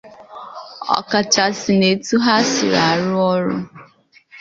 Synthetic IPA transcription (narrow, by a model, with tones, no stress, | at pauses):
ɔ̰˨ka˨t͡ʃa˨sɪ˨ne˨tu˦ɦa˦sɪ˨ɾa˨a˨ɾʊ˦ɔ˦ɾʊ̰˦